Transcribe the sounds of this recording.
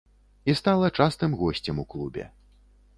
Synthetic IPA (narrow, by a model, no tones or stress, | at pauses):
ist̪alˠɐt͡ʂast̪ɨmɣɔsʲt͡sʲɛmuklˠubʲɛ̰